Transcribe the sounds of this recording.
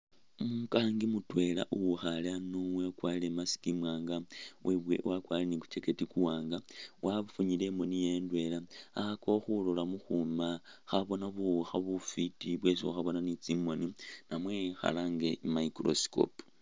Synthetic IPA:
mukaːŋɡimutwe̞la̰ʔuwuxalanowekwalile̞masi̥kimwaːŋɡawʔeβwewakwalileniku̥t͡ʃe̞ke̞tikuwaːŋɡawʔafuɲilemonije̞ndwe̞laaxako̞xulolamuxumaxaβo̞naβuxaβufitiβwe̞siwa̰xaβo̞nanit͡simoninamwe̞xa̰laŋɡemaikɾo̰si̥ko̰pu

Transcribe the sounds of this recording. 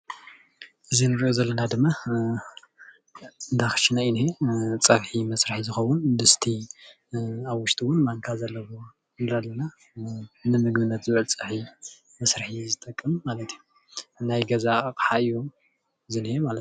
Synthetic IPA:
ʔɨzinɨɾʔozɐlːɐnad̪ɨmːa | nd̪axɨ̥ʃinainet͡sʼɐβħimɐsɾɨħizɨxɐwʊnd̪ɨst̪ʰi | aβwʊʃt̪ʼiwʊnmaŋkʰazɐlːɐwo | nlalːɐna | nɨmɨɡbɨnːɐt̪zɨβʕɨlt͡sʼɐħi | mɐsɾɨħizɨt̪ʼɐkʼːɨmmalɐt̪ʰiju | najɡɐzakħaju | zɨnemalɐt̪

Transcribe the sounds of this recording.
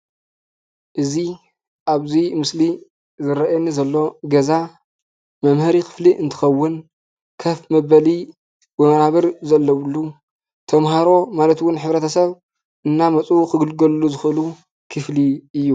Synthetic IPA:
ʔɨzi | ʔaβzimɨsli | zɨɾɐʔjɛnːizɐlːo̞ɡɐza | mɐmhɨɾixʰɨ̥fliʔɨnt̪ʰɨ̥xɐwːʊn | kʰɐfmɐβɐli | wɐmɐɾaβɐɾzɐlːɐwɨlːu | t̪ʰɐmɦaɾo̞malɐt̪wʊnħɨβɾɐt̪ʰɐsɐβ | ʔɨnːamɐt͡sʼukɨɡɨlɡɐlulːuzɨxʔɨlu | kʰɨfliɨjːu

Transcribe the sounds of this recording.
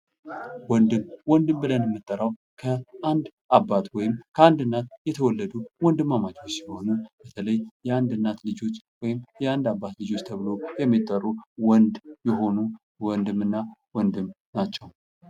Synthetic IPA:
wɔnd̪ɨmwɔnd̪ɨmbɨlənjɛmːɨt̪ʼːəɾaw | kʰəʔand̪ʔabːat̪wɔjɪmkʰəand̪ɨnːat̪jɛt̪ʰəwɔlːəd̪uwɔnd̪ɨmːamat͡ʃʼo̞t͡ʃːsiho̞nub̥ət̪ʰələjjɛand̪ɨnːat̪lɨd͡ʒo̞t͡ʃːwɔjɪmjɛand̪abːat̪lɨd͡ʒo̞t͡ʃːt̪ʰəβɨlo̞jɛmːit̪ʼːəruwɔnd̪jɛɦo̞nu | wɔnd̪ɨmːɨnːawɔnd̪ɨm | nat͡ʃːɛw

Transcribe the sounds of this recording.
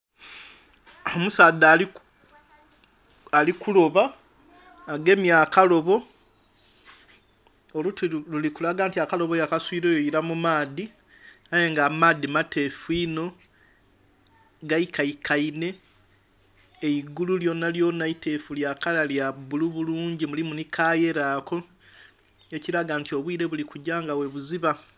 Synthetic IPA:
omusaːðaːli | alikulo̞βaː | ɡe̞ːmjaːkalo̞βo̞ | olutlulikulaɡaːntiakalo̞βojakaswiːɾo̞ːjoiɾamumaːði | ajeŋɡaːmaːðimate̞fuino̞ | ɡaikaikʰaine̞ | iɡululjo̞nːaljo̞naite̞fuljakalaljabuluβuluːɲɟimulimunikʰaːje̞ɾaːkʰo̞ | eciɾaɡaːntio̞βwiːɾe̞βulikuɟaːŋɡawe̞βuziβa

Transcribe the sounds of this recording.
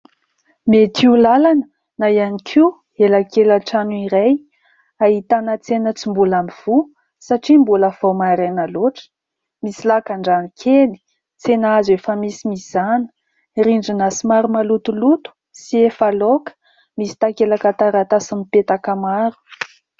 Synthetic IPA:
met̪ʰiulalanə | najanikʰiw | elakelaʈ͡ʂanuiɾaj | aɦit̪anət͡senət͡simbulamiv̥u | saʈ͡ʂimbuləv̥owmaɾenaloʈ͡ʂə̥ | misilakaɳɖ͡ʐanikʰeni̥ | t͡senazuefəmisimiz̥anə̥ | ɾiɳɖ͡ʐinasimaɾumalut̪ulut̪u̥ | siefalokə̥ | misi̥t̪akelakat̪aɾat̪asamipet̪akəmaɾu̥

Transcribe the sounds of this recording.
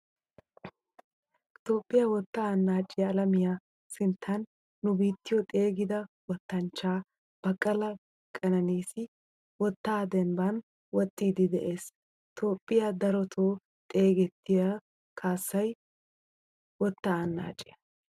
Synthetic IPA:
t̪o̞ːpʼːɪjawɔt̪ːaːnːaːt͡ʃʼːɪjɐːlɐmɪja | sɪnt̪ʰːɐnː | ʊbiːt̪ːɪjɔt̪ʼe̞ːɡɪd̪ɐwɔt̪ːɐnt͡ʃːaː | b̥ɐkʼɐlɐ | kʼːɐnɐniːsɪ | wɔt̪ːaːd̪ɛmbɐn | wɔt̪ʼːiːd̪ɪd̪ɛʔe̞ːs | t̪ʰo̞ːpʼːɪjad̪ɐɾɔt̪ʰoː | t̪ʼe̞ːɡɛt̪ːɪja | kʰaːsːɐj | wɔt̪ːaːnːa̰ːt͡ʃʼːɪjɐ

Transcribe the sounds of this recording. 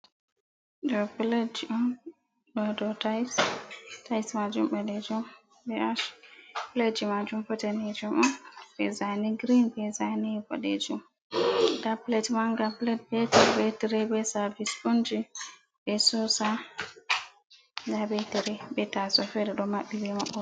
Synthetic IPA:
dɔpled͡ʒiʔɔn | ɗɔdɔtajstajsmad͡ʒumbɛdɛd͡ʒum | bɛaʃpled͡ʒimad͡ʒumpɔtɛnɛd͡ʒumɔnbɛzaniɡɾinbɛzanibɔ̰ɗḛd͡ʒum | daplɛtmaŋɡaplɛtbɛtaɾbɛtiɾɛbɛsavisbond͡ʒi | bɛsɔsa | ɡabɛtiɾɛbɛtasɔfɛdɛɗɔmaɓːibɛmaɓːɔ

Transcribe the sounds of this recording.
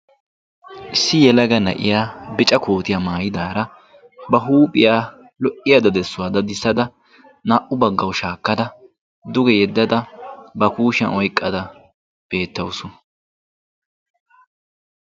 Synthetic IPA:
ʔɪsːɪjɛlɐɡɐnɐ̰ʔɪ̰jaːbɪt͡ʃʼɐkʰo̞ːt̪ɪjaːmaːjɪd̪aːɾɐ | bɐɦuːpʼɪjaː | lɔʔɪjad̪ɐd̪ɛsːʊwaːd̪ɐd̪ɪsːɐd̪ɐ | naːʔʊbɐɡːɐwʊʃaːkːɐd̪ɐ | d̪ʊɡɛjɛd̪ːɐd̪ɐbɐkuːʃɐnɔjkʼːɐd̪ɐ | b̥e̞ːt̪ːɐwʊsʊn

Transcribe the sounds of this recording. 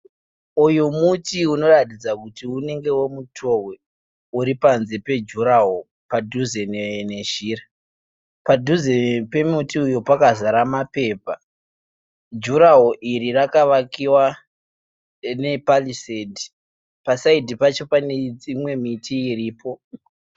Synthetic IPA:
ujumutiuno̞ratid͡zakutiune̞ŋɡe̞womutʰo̞we | uɾipanze̞pe̞d͡ʒuɾaɦo | padʱuzenene̞ʒiːra | padʱuzepe̞mutiujupakazaɾamape̞ːpa | d͡ʒuɾaɦoʔiɾirakaʋakiwa | ne̞palisedi | pasaidʱipat͡ʃo̞paneimwe̞mitiːriːpo̞

